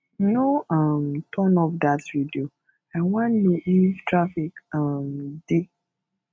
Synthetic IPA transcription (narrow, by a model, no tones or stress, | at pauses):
noamtʰɔnɔfdatvidio | aɪwãnliʔivtɹafikamdi